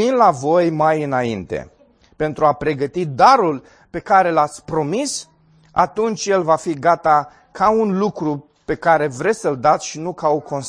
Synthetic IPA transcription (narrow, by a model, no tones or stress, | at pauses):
inlavo̞jmajɨnaint̪e̞̰ | pe̞nt̪ɾuapɾe̞ɡət̪id̪aɾul | pe̞kaɾe̞lat̪sʲpɾo̞mis | a̰t̪unt͡ʃje̞lvafiɡat̪a | kaunlukɾu | pe̞kaɾe̞vɾe̞sʲəld̪at̪sʲʃinukaoko̞ns